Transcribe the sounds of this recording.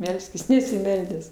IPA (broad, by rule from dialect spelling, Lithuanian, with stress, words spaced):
ˈmʲɛlʲsʲkʲɪs nʲɛsʲɪˈmʲɛlʲdʲæːs